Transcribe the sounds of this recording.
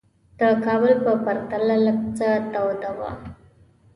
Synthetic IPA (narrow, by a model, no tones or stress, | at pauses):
d̪̥əkɑbəlpəpaɾt̪alalabt͡sat̪awd̪awa̰